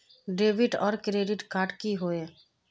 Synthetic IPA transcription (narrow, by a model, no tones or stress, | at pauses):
ɖeːbɪʈɔːɾkɾeːɖɪʈkaːʈkiɦoe